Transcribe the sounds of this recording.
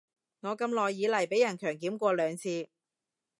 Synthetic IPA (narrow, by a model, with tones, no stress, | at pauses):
ŋɔː˨˧kɐ˧mlɔː˨jːiː˨˧lɐ˨˩jpe˨˥jɐ˨˩nkʰœː˨˩ŋkiː˨˥mkʷɔː˧lœː˨˧ŋt͡sʰiː˧